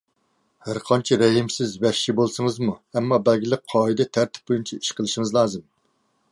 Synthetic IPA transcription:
hæɾqʰɑnt͡ʃʰɛɾɛɦimsɪzbɛʃibolˠsɨŋəzmuɛmːɑbɛlɡʲilɪk̚ʲqʰɑːid̪ɛt̪ʰæɾt̪ʰɪ̥p̚bojunt͡ʃʰɛi̥ʃqʰəlˠɨʃiŋɨzlˠɑːzɨm

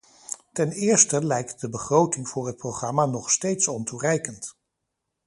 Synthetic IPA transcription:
tɛnɪːɹstəlɛjk̚t̚dəbəχrowtɪŋv̥ʊːɹɦət̚prowχrɑmanɔχstejtsɔnturɛjkənt

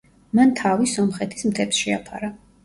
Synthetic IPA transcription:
mant̪ʰavisɔmχɛt̪ʰi̥smt̪ʰɛpsʃɛa̰pʰa̰ɾa

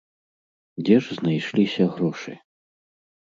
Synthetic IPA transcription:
d͡zʲɛʐznajʂlʲisʲɐɣɾɔʂɨ̰

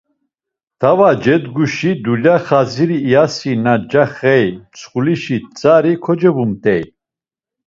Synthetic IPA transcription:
t̪ʰavad͡ʒɛd̪ɡuʃid̪ulaχaziɾiːasinad͡ʒaχɛjt͡sʰχuliʃit͡sʼaɾikʰɔd͡ʒɛbumt̪ʼɛj

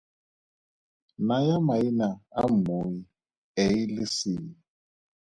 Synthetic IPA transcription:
najamainaa̰moji | ɛilɪsii

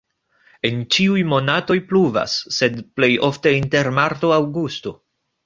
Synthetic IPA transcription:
e̞nt͡ʃiujmo̞nato̞jpluva̰sːe̞dple̞jo̞fte̞inte̞ɾmaɾto̞awɡusto̞

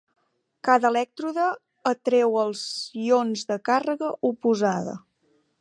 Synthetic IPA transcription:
kaðəlɛk̚t̪ɾuðəː | t̪ɾɛwəlˠzionzðəkarəɣəʔupuzaðə̰

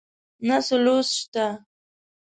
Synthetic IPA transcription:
nasʊlʊsʃt̪a

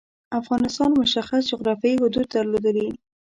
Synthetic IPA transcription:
afɣɑnɪst̪ɑnmʊʃaxas̬d͡ʒʊɣɾɑfjɑiɦʊd̪ud̪̚ːəɾlod̪əli

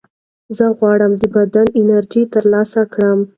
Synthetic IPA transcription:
zəɣwɑɽəmd̪əbad̪anɪnaɾʒit̪əɾlɑsakɽəm

